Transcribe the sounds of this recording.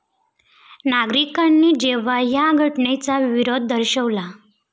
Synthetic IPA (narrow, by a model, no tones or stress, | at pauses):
naɡɾikanːid͡ʑeʋajaɡʱəʈɳet͡saʋiɾod̪̚ʱːəɾɕəʋla